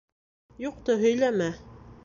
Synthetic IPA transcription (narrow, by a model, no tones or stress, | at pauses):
juq̚t̪oɦɵ̆jlæmæ